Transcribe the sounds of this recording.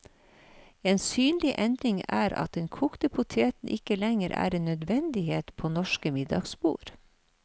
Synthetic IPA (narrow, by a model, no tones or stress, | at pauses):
eːnsyːnlɪʔɛnd̪ɾɪŋæ̰ːɾɑ̰t̪̚d̪ɛnkʰuːkt̪əpʰʊt̪ʰeːt̪n̩ʔɪkəlɛŋəɾʔæ̰ːɾeːnːœd̪ʋɛnd̪ɪheːt̪pʰoːnɔʃkəmɪd̪ɑ̰ɡsbṵːɾ